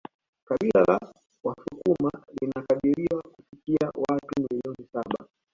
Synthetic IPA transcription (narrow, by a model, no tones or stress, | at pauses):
kaɓilala | wasukumalinakaɗiɾiwakufikia̰watumiliɔnisaɓa